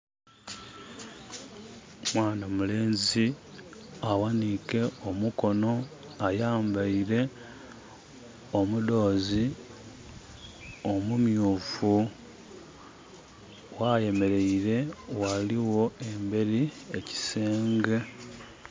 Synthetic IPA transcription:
mwaːnamule̞ːnzi | awanike̞omuko̞no̞ | ajaːmbaiɾe̞ | omudo̞ːzi | omumjuːfu | waje̞me̞ɾe̞iɾe̞waliwo̞e̞mbe̞ɾieci̥seːŋɡe̞

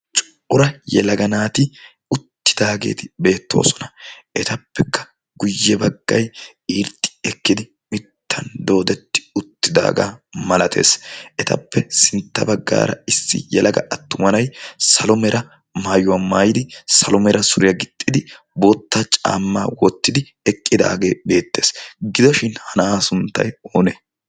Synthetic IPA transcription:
t͡ʃʼʊ | ʊɾɐjɛ̰lɐɡɐnaːt̪ɪ | ʊt̪ːɪ̥d̪aːɡḛːt̪ɪbe̞ːt̪ːo̞̰ːsɔ̥nɐʔɛt̪ɐpːɛkʰːɐ̥ | ɡʊjːɛbɐɡ̥ːɐj | iːɾt̪ʼːɪ̥ɛkːɪd̪ɪ | mɪt̪ʰːɐnd̪o̞ːd̪ɛt̪ːɪ̥ʊt̪ːɪd̪a̰ːɡa̰ːmɐlɐt̪ʰe̞̰ːsʔɛt̪ɐ̰pːɛsɪnt̪ːɐ̰bɐɡːa̰ːɾɐ̰ɪsːɪ̰jɛlɐɡɐ̰ʔɐt̪ːʊmɐnɐjsɐlɔmɛɾʔɐ | maːjʊɐmaːjɪd̪ɪsɐlɔmɛɾɐsʊɾɪjɐɡɪt̪ʼːɪd̪ɪ | boːt̪ːat͡ʃʼa̰ːmːaːwɔt̪ːɪd̪ɪ | ɛkʼːɪd̪a̰ːɡe̞ːbe̞ːt̪ːe̞ːsɡɪd̪ɔʃɪnhɐnaːsʊnt̪ːɐ̰joːneː

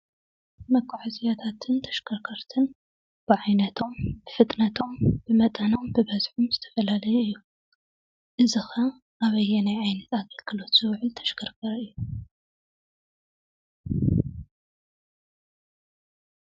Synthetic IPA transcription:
mɐkʰːaʕazijat̪ʰat̪ʰɨnt̪ʰɐ̥ʃkʰɐɾkʰɐɾt̪ʰɨn | b̥ɨʕajnɐt̪ʰo̞mbɨfɨt̪ʼnɐt̪ʰo̞mb̥ɨmɐt̪ʼɐno̞mbɨbɐzħumzɨt̪ʰɐ̥fɐlalɐjuɨjːu | ʔɨzɨxɐ | ʔaβɐjːɛnajʕajnɐt̪aɡɐlkʰɨlo̞t̪z̥ɨwʕɨlt̪ʰɐ̥ʃkʰɐɾkʰɐɾɨjːu

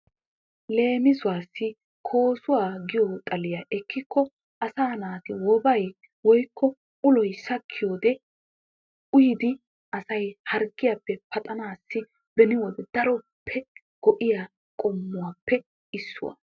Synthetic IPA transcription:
le̞ːmɪzʊwaːsːɪ | kʰo̞ːsʊwaːɡɪjɔt̪ʼɐlɪjaʔɛkʰːɪkːɔ | ʔɐsaːnaːt̪ɪwɔbɐj | wɔjkʰːɔ | ʊlɔjsɐkʰːɪjoːd̪ɛ | ʔʊjɪd̪ɪ | ʔɐsɐjhɐɾɡːɪjapːɛpɐt̪ʼɐnaːsːɪ | bɛnɪwɔd̪ɛd̪ɐɾɔpʰːɛ | ɡ̥ɔʔɪja | kʼɔmːʊwaːpːɛ | ɪsːʊ̰wa̰

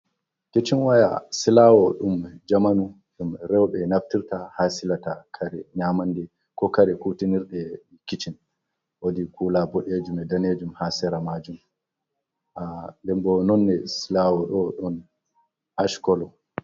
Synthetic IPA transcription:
ket͡ʃinwaja̰silawɔɗumd͡ʒamanu | ɗumɾɛwɓɛnaftiɾtahaːsilatakʰaɾɛɲaːmandɛ | kɔkaɾɛkutiniɾɗɛ | kit͡ʃin | wodikʰulabɔɗed͡ʒumɛdaned͡ʒumhasɛɾamad͡ʒum | ʔalɛmbɔnɔnːɛsilawɔɗɔɗɔn | haʃkɔlɔ

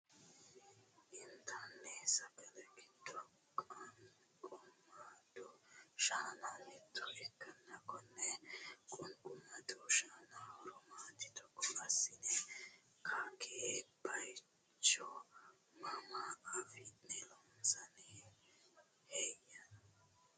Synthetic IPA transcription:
ʔɪnt̪ʰanːɛsɐkɐlɐɡɪd̪ːɔ | kʼɐn | kʼʊmːad̪ɔʃaːnanɛt̪ʰːɔʔɛkːɐnːɐkɔnːɛkʼɔnkʼʊmːɐd̪ɔʃaːnaɔɾɔmaːt̪ːɪ̥t̪ɔkːɔlɐsɪnɛ | kʰakʰebɐj | t͡ʃːɔ | mɐmaɐfɪnɛlɔmsɐnɪ | hɛjɐn

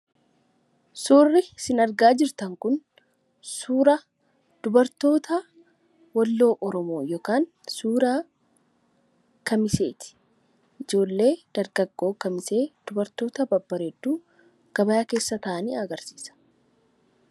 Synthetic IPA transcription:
suːrːɪsɪnɐɾɡaːd͡ʒɪɾt̪ɐŋkʊn | suːɾɐ | d̪̥ʊbɐɾt̪o̞ːt̪ʰɐ | wɐlːo̞ːʔɔɾɔmoːjoːkaːn | suːɾaː | kɐmɪse̞ːt̪ɪ̥ | ʔɪd͡ʒo̞ːlːe̞ːd̪̥ɐɾɡɐɡːo̞ːkɐmɪse̞ːd̪̥ʊbɐɾt̪o̞ːt̪ɐbɐbːɐɾeːd̪ːuː | ɡ̥ɐbɐjaːke̞ːsːɐt̪ɐʔɐniːɐɡɐɾsi̥ːsɐ̥

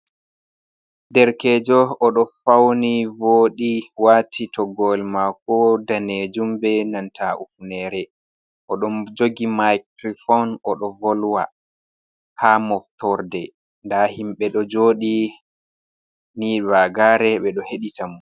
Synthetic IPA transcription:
dɛɾkɛːd͡ʒɔɔɗɔfawnivoːɗiwatʰitɔɡɔlmakɔdaned͡ʒumbɛnantʰaʔufunɛɾɛ | ʔɔɗɔmd͡ʒoɡimajkɾifɔnɔɗɔvɔlwa̰ | hamɔftʰɔɾdɛ | ndahimɓɛɗɔd͡ʒoːɗi | nibaɡaɾɛɓɛɗɔheɗitamu

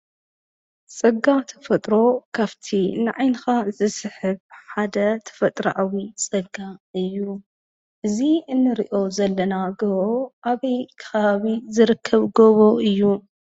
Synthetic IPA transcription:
t͡sʼɐɡat̪ʰɐ̥fɐt̪ʼɾo̞kʰaβt̪ʰinɨʕajnxazɨsɨħɨβħad̪ɐt̪ʰɐ̥fɐt̪ʼɾɐ̰ʔawit͡sʼɐɡːaɨjːu | ʔɨziɨnːɨɾḭʔo̞zɐlːɐnaɡoβoʔaβɐjkʰɐ̥xɐβaβizɨɾɨkʰːɐβɡoβoʔɨjːu

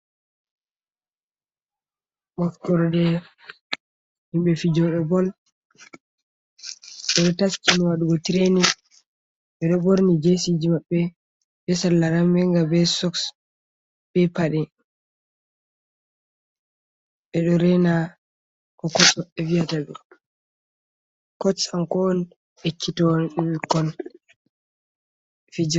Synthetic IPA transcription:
wɔfkːɔɾdɛ | himɓɛfid͡ʒɔɗɔbɔl | ɓɛɗɔtast͡ʃiniwaɗuɡɔtiɾeni | ɓɛɗɔboɾnid͡ʒesid͡ʒimaɓːɛ | bɛsalːaɾambɛŋɡabɛsɔks | bɛpaɗɛ | ɓɛɗɔɾɛna | kɔkɔsɔɛviataɓɛ | kɔsankɔn | hekʰːitɔkɔn | fid͡ʒ

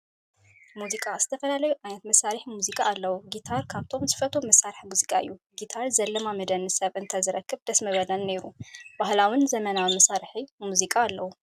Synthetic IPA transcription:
muzikʼaz̥ɨt̪ʰɐfɐlalɐjuʔajnɐt̪mɐsːaɾɨħmuzikʼaːlːɐwuɡit̪ʰaɾkʰaβt̪ʰo̞mzɨfɐt̪ʰomɐsaɾħmuzikʼaɨ̰jːuɡit̪ʰaɾzɐlːɐmamɐd̪ɐnɨsɐβʔɨnt̪ʰɐzɨɾɐkːɨβd̪̥ɐsmɐβɐlɐnːeɾub̥ahlawɪnzɐmɐnawimɐsaɾħimuzikʼaːlːɐwu

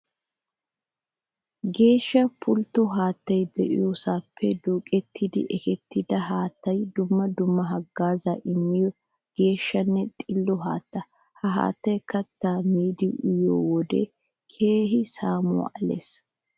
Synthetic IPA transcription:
ɡe̞ːʃːɐpʰʊlt̪ːɔɦaːt̪ːɐjd̪ɛ̰ʔɪ̰josaːpʰːɛd̪oːkʼɛt̪ʰːɪd̪ɪ̰ʔɛkɛt̪ʰːɪd̪ɐɦaːt̪ːɐjd̪ʊmːɐd̪ʊmːɐɦɐɡːaːzaʔɪmːɪjɔ | ɡ̥e̞ːʃːɐnːɛt̪ʼɪlːɔɦaːt̪ːɐ | hɐɦa̰ːt̪ːɐjkɐt̪ːaːmiːd̪ɪʔʊjo̰ːwɔd̪ɛ̰ | kʰe̞ːɦɪsaːmʊ̰a̰ʔɐlḛːs

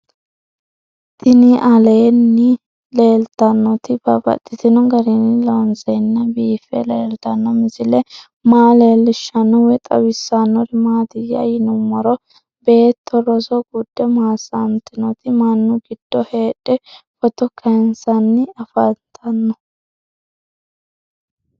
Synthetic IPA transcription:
t̪ɪnɪʔɐleːnːɪ | le̞ːlt̪ɐnːɔt̪ɪbɐbɐ̰t̪ːɪt̪ɪnɔɡɐɾɪnɪlonsɛnːɐbiːfɛ̰leːlt̪ɐnːɔmɪzɪlɛ | maːle̞ːlːɪʃːɐnːɔwɛt̪ʼɐwɪsːanːɔɾɪmaːd̪ɪjɐ̰jɪnʊmːɔɾɔ | be̞ːt̪ʰːɔɾɔsɔɡud̪ːɛmaːsamt̪ːɪnɔt̪ɪmɐnːʊɡɪd̪̥ːɔhe̞ːᶑɛfɔt̪ɔkʰɐnsɐnːɪɐfɐt̪ʰɐnːɔ

